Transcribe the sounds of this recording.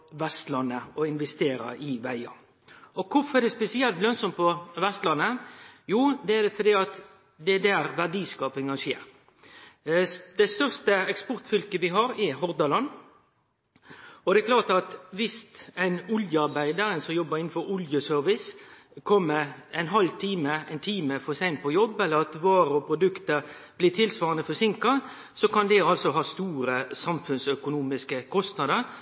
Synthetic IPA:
ʋɛst̪lɑnːəɔɪnʋɛst̪eːɾə̰ʔɪʋæɪɑ | ɔkʰʊfɔɛd̪ɛspɛsɪɛlt̪lœnsɔmpɔʋɛst̪lɑnːəjuːd̪ɛæd̪ɛfɔd̪iːɑt̪ | d̪ɛd̪æɾʋæɖiːskɑːpɪŋɑnʃeːɾ | d̪ɛst̪œʁst̪əɛkspɔɾt̪fʏlkəʋɪɦɑɾɛɦɔʁd̪ɑlɑnː | ɔd̪ɛɛkʰlɑːt̪ɑt̪ʋɪst̪æɪnʊljəɑɾbæɪd̪əɾənsɔmjɔbəɾɪnn̩fɔɾʊljəsœɾʋɪs | kʰɔmːəæɪnɦɑlt̪ʰiːməæɪnt̪ʰiːməfɔsæɪnpʰɔjɔbːɛlːəɾɑt̪ʋɑːɾəɔpʰɾʊd̪ʉkt̪əɾblɪːt̪ʰɪlsʋɑːʁɑnəfɔsɪŋkɑ | sɔkɑnd̪ɛɑlsɔɦɑːst̪uːɾəsɑmfʉnsœkʊnuːmɪskəkʰɔst̪nɑd̪əɾ

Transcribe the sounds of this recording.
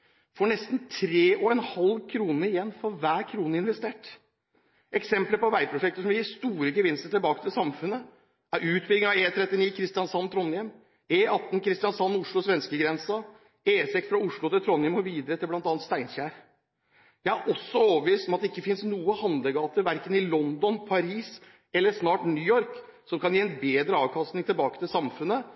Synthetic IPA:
fɔɳɛst̪n̩t̪ʰɾeːʔɔɛnhɑlkʰɾuːnəɾɪjɛnːfɔɾʋæːɾkʰɾuːnəɪnʋɛst̪eːʈ | ʔɛksɛmpləpɔʋæɪpʰɾʊʂɛk̚t̪əsʂɔmɪjɪːst̪uːɾəɡəʋɪnst̪əʈɪlbɑːkət̪ʰɪlsɑmfʉnːə | æɾʉːt̪̚bʏɡəɑeːt̪ʰɾɛt̪ːɪniːkʰɾɪst̪ɪɑnsɑnːt̪ʰɾɔnːjɛm | eːʔɑt̪ːn̩kʰɾɪst̪ɪjɑnsɑnːʊʂɭʊsʋɛnskəɡɾɛnsɑ | eːsɛksfɾɑʊʂɭʊt̪ɪlt̪ʰɾɔnːɪɛmɔʋiːd̪əɾət̪ʰɪlblɑnt̪ɑːnt̪st̪æɪnçæːɾ | jæɪæɾʔɔsːɔoːʋəʋiːst̪ɔmɑt̪̚d̪ɛɪkːəfɪnsnuːəhɑnd̪ləɡɑːt̪əɾʋæɾkənɪlɔnd̪ɔnpʰɑɾiːs | ɛlːəsnɑːʈnyːɔɾksɔmkʰɑnjiːɛnbeːd̪ɾəɑːʋkʰɑst̪nɪŋt̪ʰɪlbɑːkət̪ɪlsɑmfʉnːə

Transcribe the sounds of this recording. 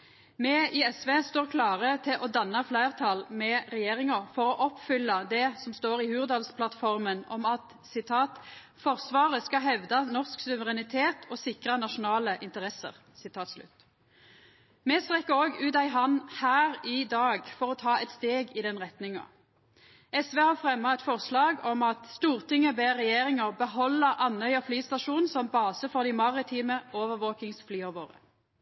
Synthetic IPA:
mɛɪɛsʋeːst̪oːʁkʰlɑːʁət̪ʰɪlʔɔd̪ɑnːɑflæɪʁt̪ʰɑlmɛʁɛjeːʁɪŋɑfɔʁɔʔɔpfʏlːɑd̪ɛsɔmst̪oːʁɪhʉːʁd̪ɑːlspʰlɑt̪fɔʁmənɔ̰mɑt̪ | sɪt̪ʰɑːt̪ | fɔʁsʋɑːʁəskɑɦɛʋd̪ɑnɔʁsksʉʋəʁɛnɪt̪ʰeːt̪ʰɔsɪkʁɑnɑʃʊnɑːləʔɪnt̪əʁɛsə̰ʁ | sɪt̪ʰɑːt̪slʉ̰t̪ː | mɛːst̪ʁɛkːəoːɡʉːt̪ɑɪɦɑnhæːʁɪd̪ɑːɡfɔʁɔt̪ʰɑːɛt̪st̪eːɡɪd̪ɛnʁɛt̪nɪŋɑ̰ | ɛsʋeːhɑːʁfʁɛmːɑɛt̪fɔʁslɑːɡɔmɑt̪st̪uːʁt̪ʰɪŋːəbeːʁɛjeːʁɪŋəʁbəɦɔlːəʔɑnœʏɑflyːst̪ɑʃuːnsɔmbɑːsəfɔʁd̪ɪmɑʁɪt̪ʰiːməoːʋəʋoːkɪŋsflyːɑʋoːʁə̰

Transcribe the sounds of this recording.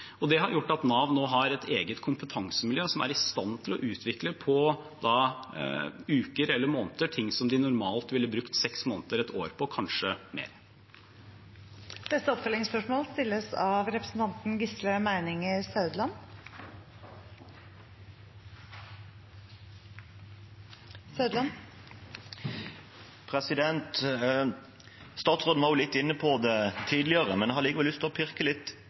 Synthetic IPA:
ɔd̪ɛɦɑɾjʊʈːɑt̪nɑːʋnoːɦɑɾɛt̪ʰeːɡət̪kʰʊmpət̪ʰɑŋsəmɪljøːsɔmæ̰ɾɪst̪ɑnt̪ʰɪlɔʔʉːt̪ʰʋɪkləpʰɔ | d̪ɑ | ʉːkəɾɛlːəɾmoːnt̪əʈʰɪŋsɔmd̪ɪnʊɾmɑːlt̪ʋɪlːəbɾʉkt̪sɛksmoːnt̪əɾɛt̪ʰoːɾpʰɔkʰɑnʂəmḛːɾ | d̪̥ɛt̪ːəɔpfœlɪŋspœʂmoːlst̪ɪlːəsɑʋɾɛpɾəsn̩t̪ʰɑnt̪n̩ɡɪsləmæɪnɪŋɪsɑʉd̪lɑn | sɑʉd̪lɑn | pʰʁɛsɪd̪ɛnt̪ | st̪ɑːt̪sʁoːd̪mɑʊlɪt̪ːɪnːəpʰɔd̪ɛt̪ʰiːd̪lɪəʁəmɛnɛhɑd̪ɪːɡəʋɛlʏst̪ʰɪlɔpʰɪʁkəlɪt̪ː

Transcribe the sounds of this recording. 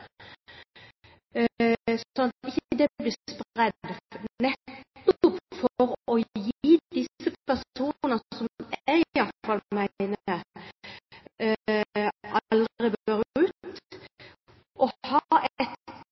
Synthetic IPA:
sɔnɑt̪ɪçəd̪ɛbliːspʁɛd̪nɛt̪ːɔpfɔɾɔjiːd̪ɪsːəpʰæsuːnnəsɔmɛɡɪɑt̪fɑlmæɪnə | ʔɑld̪ʁɪbøːɾʉːt̪ | ʔɔhɑːɛt̪

